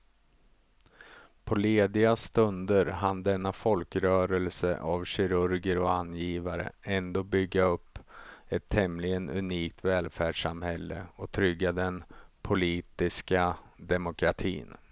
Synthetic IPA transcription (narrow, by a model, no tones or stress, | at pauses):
pʰɔleːd̪ɪast̪ɵnd̪əɾɦand̪ɛnːafɔlkɾœːɾɛlsə̰ʔavɕɪɾɵɾɡəɾɔanːjiːvaɾə̰ɛnd̪oːbʏɡːaɵpːɛt̪ʰːɛmlɪɡənɵ̰niːk̚t̪vɛːlfæːɖʂamhɛlːə̰ɔt̪ʰɾʏɡːad̪ɛnpʰʊliːt̪ɪskad̪ɛmʊkʰɾat̪ʰḭːn